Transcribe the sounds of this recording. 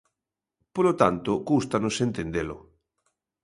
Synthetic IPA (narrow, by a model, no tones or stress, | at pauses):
polot̪ant̪okust̪anosent̪end̪elo̰